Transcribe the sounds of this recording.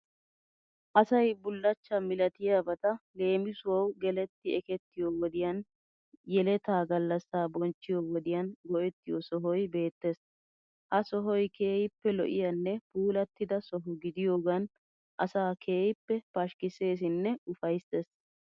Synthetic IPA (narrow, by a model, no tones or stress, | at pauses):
ʔɐsɐjbʊlːɐt͡ʃːɐmɪlɐt̪ɪjabɐt̪ɐle̞ːmɪsʊwɐwɡɛlɛt̪ːɪɛkɛt̪ːɪjowɔd̪ɪjɐn | jɛlɛt̪aːɡɐlːɐsːaːbɔnt͡ʃːɪjoːwɔd̪ɪjɐnɡɔʔɛt̪ːɪjɔsɔɦɔjbe̞ːt̪ːeːs | hɐsɔɦɔjkʰe̞ːjɪpːɛlɔ̰ʔɪ̰jɐnːɛpuːlɐt̪ːɪd̪ɐsɔɦʊɡɪd̪ɪjo̞ːɡɐn | ʔɐsaːkʰe̞ːjɪpːɛpɐʃkɪse̞ːs̬ɪnːɛʊfɐjst̪eːs